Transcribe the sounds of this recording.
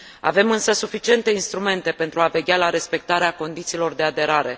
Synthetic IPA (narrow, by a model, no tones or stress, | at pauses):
a̰ve̞mɨnsəsufit͡ʃie̞nt̪e̞inst̪ɾume̞nt̪e̞pe̞nt̪ɾuave̞ɡʲalaɾe̞spe̞k̚t̪aɾeako̞nd̪it̪siːlo̞rd̪e̞ad̪e̞ɾaɾe̞